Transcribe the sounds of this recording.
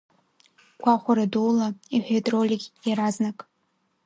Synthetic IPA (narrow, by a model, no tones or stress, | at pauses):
ɡʷʰaχʷaɾadulaiħʷᶣetʼrolʲikʲʼjaɾaznakʼ